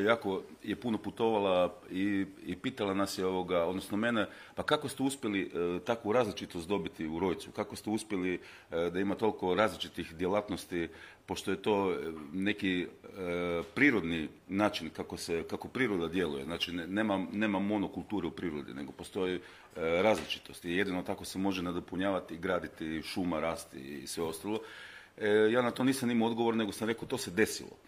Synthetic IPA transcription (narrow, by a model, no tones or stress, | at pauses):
jaːko̞je̞puno̞put̪o̞ʋalaiipiːt̪alanasjeo̞ʋo̞ɡao̞d̪nosno̞me̞ne | pakako̞st̪euspje̞lit̪akʋuɾaːzlit͡ʃit̪ost̪d̪o̞bit̪iuɾo̞jt̪sukakost̪euspje̞li | d̪aimat̪o̞liko̞ɾaːzlit͡ʃit̪ixd̪jelat̪nost̪ipo̞ʃt̪o̞jet̪o̞ːne̞ki | pɾiːɾo̞d̪ni | naːt͡ʃinkakosekako̞pɾiːɾo̞d̪ad̪je̞luje̞znaːt͡ʃinneːmane̞ːmamo̞nokulˠt̪uːɾeupɾiːɾod̪ḭneɡo̞po̞st̪o̞ji | ɾaːzlit͡ʃi̥t̪ost̪ije̞d̪inot̪ako̞semo̞ʒened̪opuɲaːʋat̪iɡɾaːd̪it̪iʃumaɾaːst̪ḭḭːsʋeo̞st̪alˠo̞ | jaːnat̪o̞niːsamimoo̞d̪ɡoʋo̞ɾne̞ɡosamɾe̞kot̪o̞sed̪e̞sḭlo̰